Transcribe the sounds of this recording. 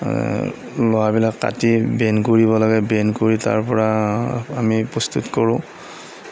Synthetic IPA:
lɔwabilakːa̰tibɛnkoɹibɔlɔɡɛbɛnkoɹita̰ɹpɔɹaamipɹɔst̪utkɔɹʊ̃

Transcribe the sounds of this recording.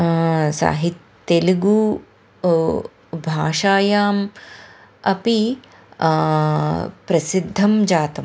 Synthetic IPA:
sa̰ːɦit̪ | eliɡu | bʱaːʃaːjaːm | ɐpi | pɾɐsid̪ʱːɐmd͡ʒaːt̪ɐm

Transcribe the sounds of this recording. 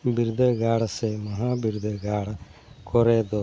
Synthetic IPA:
biɾud̪ʱəɡaːɽsemɐɦaːbiɾd̪ʱəɡaːɽkɔɾeːd̪o

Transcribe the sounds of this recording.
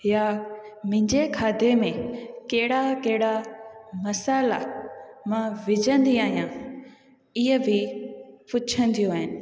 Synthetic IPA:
ja | mʊ̃ɦɪ̃ɲd͡ʑekʰaːd̪ʱemẽkɐɦɪɽakɐɦɪɽamɐsaːla̰mãːʋɪd͡ʑə̃nd̪iaːɦijã | ɪɦəbʱɪpʊt͡ɕʰə̃nd̪ʰijoaːɦɪnɪ̆

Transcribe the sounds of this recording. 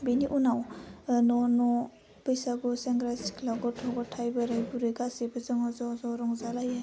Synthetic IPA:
beniʔunawnɔnɔ | pɯjsaɡuseŋɡɾasi̥kʰlaɡɔtʰɔɡɔtʰajbaɾajbuɾɯjɡasebɯzɯŋɔzɔzɔɾɔŋzalaje

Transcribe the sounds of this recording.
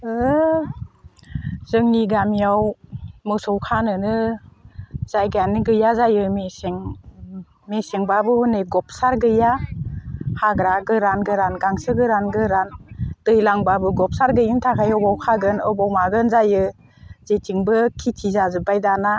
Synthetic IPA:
ɯ | zɯŋniɡamijawmɯsɔwkʰanɯnɯ | z̥ajɡanɡɯjazajɯmeseŋ | meseŋbabɯhuneɡɔp̚ʰsaɾɡɯja | haɡɾaɡɯɾanɡɯɾanɡaŋsɯɡɯɾanɡɯɾand̥ɯjlaŋbabɯɡɔp̚saɾɡɯjɯntʰakʰajɔbawkʰaɡɯnɯbawmaɡɯnzajɯ | zetʰiŋbɯkʰitʰizazɯbajdana

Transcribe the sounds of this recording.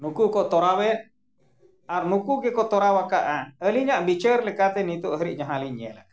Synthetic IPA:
nukukoʔt̪oɾaβe | aɾnukukekoʔt̪oɾawakaʔaəliɲãʔbit͡ʃəɾlekat̪enit̪uʔɦəɾiʔɲaɦãliɲelak

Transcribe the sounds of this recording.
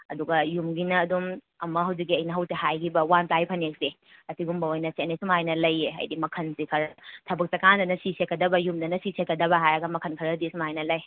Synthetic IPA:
ɐduɡɐjumɡinɐːdum | ɐmɐɦɐwzik̬̚ːiɐjnɐɦɐwtɐhajɡibɐwantajpʰɐnek̚se | ɐsiɡumbɐojnɐsenesumajnɐlɐjːeɐ̰jdimɐkʰɐnsikʰɐɾtʰɐbɐk̚sɐkandɐnɐsisekːɐdɐbɐjumdɐnɐsisekːɐdɐbɐɦajɾɐɡɐmɐkʰɐnkʰɐɾɐdisumajnɐlɐj

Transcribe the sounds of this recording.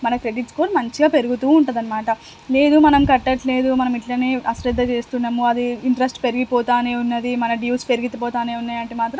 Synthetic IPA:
mɐnɐkɾe̞ɖiʈskoːɾmɐɲt͡ʃiɡaːpe̞ɾuɡut̪uːuɳʈund̪ɐnːɐmaːʈɐ | le̞ːd̪umɐnɐmkɐʈːɐʈle̞ːd̪umɐnɐmiʈlɐneːʔɐsɾɐd̪ːɐt͡ʃe̞ːst̪unːɐːmuɐd̪iiɳʈɾɐsʈpe̞ɾiɡipɔːt̪aːneːunːɐd̪imɐnɐɖjuːspe̞ɾiɡit̪ɐpɔːt̪aːneːunːɐjɐɳʈimaːt̪ɾɐm

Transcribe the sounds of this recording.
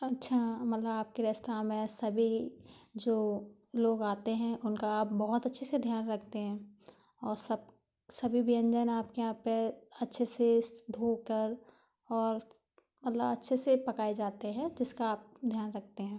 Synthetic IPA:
ɐtːʃʰamɐt̪ləbaːp̚keɾɛst̪amẽsɐbʱid͡ʒoː | loːɡaːt̪eɦɛ̃ʔʊnkaaːp̚bɔɦʊt̪ɐtːʃʰesed̪ʱjaːnɾɐkʰt̪eɦɛ̃ː | ɔːɾsɐb̚ | sɐbʱibʱiə̃ɲd͡ʒənaːp̚kejɦãpeɐtːʃʰesed̪ʱoːkəɾ | ɔːɾ | mɐt̪ləbɐtːʃʰesepɐkaːed͡ʒaːt̪eɦɛ̃d͡ʒɪskaːp̚d̪ʱjaːnɾɐk̚ʰt̪eɦɛ̃ː

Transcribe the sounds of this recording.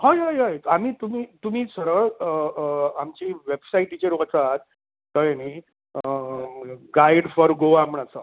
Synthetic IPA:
ɦajɦajɦajam̤iːt̪umiːt̪um̤iːsəɾəɭ | amt͡ɕiʋebsaiʈit͡ɕeɾot͡saat̪̚ː | əɭeni | ɡaiɽfɔɾɡoamɳat͡sə

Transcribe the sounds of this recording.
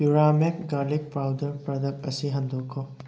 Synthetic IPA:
piɾamek̚ɡalik̚pɾawdɐɾpɾɐdɐp̚ɐsiɦɐndʱokʰːɔ

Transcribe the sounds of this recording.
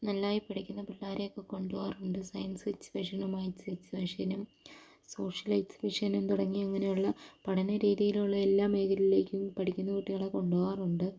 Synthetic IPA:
nɐlːaːjipɐʈikʲːunːɐpɐlːaːɾejokːeko̞ɳɖuʋaːruɳɖɨsɐjɐnsʋit͡ɕːɨ̥ʋeʂɐnumɐːjit͡ɕːɨʋeʂɐnum | so̞ːʂɐlɐjtsʋiʂɐnumt̪uɽɐŋːiɐŋːɐnejuɭːɐpɐɽɐnɐɾiːjðijiluɭːɐe̞lːaːme̞ːɣɐlile̞ːkʲːumpɐʈikʲːunːɐkuʈːiɣɐɭeko̞ɳɖuʋaːruɳɖɨ

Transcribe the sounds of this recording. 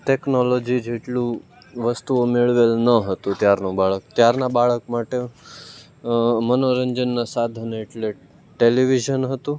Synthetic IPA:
ʈeknɔlod͡ʒid͡ʒeʈlũ | ʋəst̪uomeɭʋelnəɦət̪ũt̪jaɾnũbaɭək̚t̪jaɾnabaɭəkmaʈe | mənoɾəɲd͡ʒənːasad̪ʱəneʈle | ʈeliʋiʒənɦət̪ũ

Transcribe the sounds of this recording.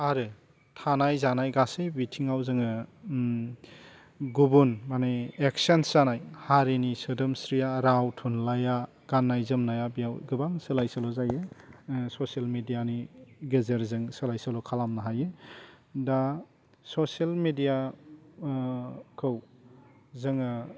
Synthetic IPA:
aɾɯ | tʰanajzanajɡasejbitʰiŋawzɯŋɯ | ɡubunmaneek̚sensanajhaɾenisɯdɯmsɾijaɾawtʰunlaja | ɡ̥anːajzɯmnajabijawɡɯbaŋsɯlajsalɔzajesɔselmedijaniɡezeɾzɯŋsɯlajsalɔkʰalamnaɦaje | da | sɔselmedija | kʰɯw | zɯŋɯ

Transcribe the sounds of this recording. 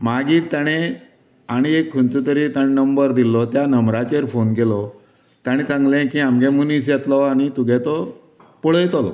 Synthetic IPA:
maɡiːɾt̪jaɽ̃e | aɽ̃iekʰːunt̪ut̪əɾiːt̪aɽ̃enəmbəɾd̪ilɔt̪janəmɾat͡ɕeɾfonkelɔ | t̪jaɽ̃it͡sãŋɡlẽkĩamɡɛ̃munis̬jet̪lɔaɽ̃it̪uɡɛt̪ɔ | puɭ̤əjt̪ɔlɔ̰

